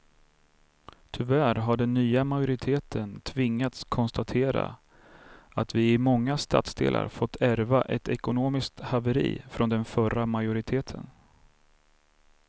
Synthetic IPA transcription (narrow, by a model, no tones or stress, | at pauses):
t̪ʰʏvæːɾɦaɖɛnːyːamajʊɾɪt̪ʰeːt̪ʰənt̪ʰvɪŋːat̪skʰɔnst̪at̪ʰeːɾa̰ | at̪vɪɪmɔŋːast̪a̰t̪sd̪ḛːlʔa̰ɾfɔt̪ʰːæɾvaʔɛt̪ʰɛkʊnoːmɪsk̚t̪havəɾḭːfɾɔnd̪ɛnfœɾamajʊɾɪt̪ʰeːt̪ʰə̰n